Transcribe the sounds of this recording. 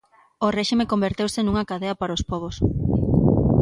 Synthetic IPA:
orɛʃimekombeɾt̪ewsenuŋɐakaðeɐpaɾaospɔβos

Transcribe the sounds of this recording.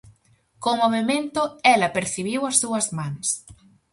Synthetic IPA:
komoβemẽnt̪ʊɛlɐpeɾθiβiwɐsːuɐzmãŋs

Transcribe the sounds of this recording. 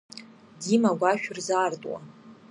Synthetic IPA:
dimaɡʷaʃᶣʊrzartʼwa̰

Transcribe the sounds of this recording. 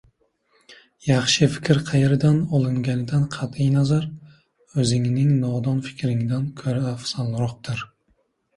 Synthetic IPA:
jɑχʃɪfɪ̥kʲʰɾqʰɑjeɾɪd̪anɒlˠɪŋɡʲanɪd̪anqʰɑt̪ijnazaɾ | ɵzɪŋnɪŋnɒd̪ɒnfɪ̥kʲɾɪŋd̪ankʰɵɾaːfsanlˠɾɒq̚t̪ɪɾ

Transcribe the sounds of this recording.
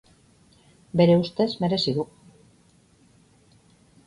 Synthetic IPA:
be̞ɾe̞ust̪e̞zme̞ɾe̞siðu

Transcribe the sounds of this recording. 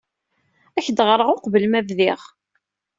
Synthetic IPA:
æçəd̪ʁɾˤəʁoqvəlmævðiʁ

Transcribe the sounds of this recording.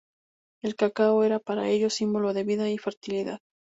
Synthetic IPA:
e̞lkakaoe̞ɾapaɾa̰e̞ʎo̞simbolo̞ðe̞βiðaife̞ɾt̪iliða̰ð

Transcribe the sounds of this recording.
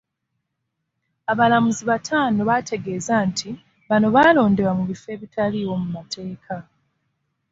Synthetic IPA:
aβalamuziβatʰaːno̞βatʰe̞ɡe̞ːzantʰi | βano̞βaːlo̞ːnde̞wamuβife̞ːβitʰaliːwo̞mumatʰe̞ːkʰa

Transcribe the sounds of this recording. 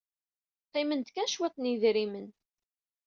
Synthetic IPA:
qimənt̪kænʃwæt̪ˤːniðɾimən

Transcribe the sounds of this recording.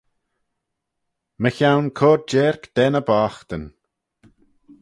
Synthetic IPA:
məçawnkʰoːɾd͡ʒeːɹkd̪̥ɛnəbaːxt̪ən

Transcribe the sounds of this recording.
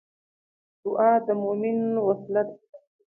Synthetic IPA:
d̪ʊʔaːd̪əmomɪnwaslat̪̚

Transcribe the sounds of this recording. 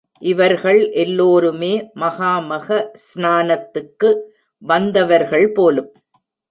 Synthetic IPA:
ʔɪʋɐɾɣɐɭʔɛlːoːɾɯmeːmɐɣaːmɐɣɐsnaːnɐt̪ːɯkːɯ | ʋɐnd̪ɐʋɐɾɣɐɭpoːlɯm

